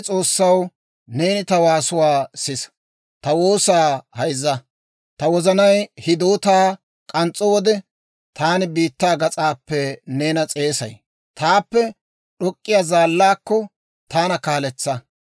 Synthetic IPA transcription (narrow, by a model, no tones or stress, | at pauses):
t͡sʼo̞ːsːɐw | ne̞ːnɪt̪ɐwaːsʊwaːsɪs | t̪ɐwo̞ːsaːhɐjzːɐ | t̪ɐwɔzɐnɐjhɪd̪oːt̪aː | kʼɐnt͡sʼːɔwɔd̪ɛ | t̪aːnɪbiːt̪ːaːɡɐt͡sʼaːpːɛneːnɐt͡sʼe̞ːsɐ̰j | t̪aːpːɛ | ɗɔkʼːɪjazaːlːaːkːɔ | t̪aːnɐkaːlɛt͡sːɐ